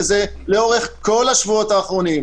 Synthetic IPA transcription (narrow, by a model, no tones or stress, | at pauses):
ze̞leo̞ʁe̞χko̞laʃvuo̞taːχʁo̞nim